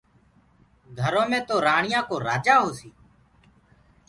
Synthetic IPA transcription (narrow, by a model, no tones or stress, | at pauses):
ɡʱəɾõːmẽːt̪oːɾaːɳɪjãːkoːɾaːd͡ʒaːɦoːsiː